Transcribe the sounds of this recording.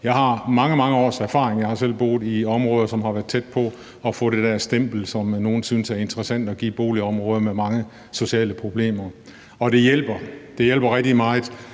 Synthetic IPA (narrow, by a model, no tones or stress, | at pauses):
jɑ̈ɪhɑ̈mɑ̈ŋəmɑ̈ŋəɒ̰ːsæɐfɑ̰̈ːʁeŋjɑ̈ɪhɑ̈sel̰b̥o̝̰ːðˠiɒ̽mʁɔ̽ːð̞ˠɐsɒ̽mhɑ̈ʋæɐð̥ˠt͡sʰed̥̚pʰɒ̽ | ɒ̽fɔ̰̽ːɾ̥ed̥æɐsd̥em̰b̥l̩sɒ̽mno̝ːn̩syːnəsæɐe̝nd̥ʁəsæn̰d̥ɒ̽ɡ̥ḭːb̥o̝ːliɒ̽mʁɔ̽ːð̞ˠɐmemɑ̈ŋə | so̝ɕiɛ̰ːləpʰʁo̝b̥le̝̰ːmɐ | ɒ̽ɾ̥e̝jel̰b̥ɐd̥e̝jel̰b̥ɐʁɛɡ̥̚d̥imɑ̈ːð̩ˠ